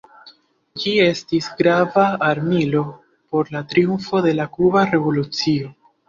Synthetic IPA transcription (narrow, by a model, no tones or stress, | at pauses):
d͡ʒie̞stisɡɾavaːɾmilo̞ | po̞ɾlatɾiumfo̞de̞lakubaɾe̞vo̞lut͡sio̞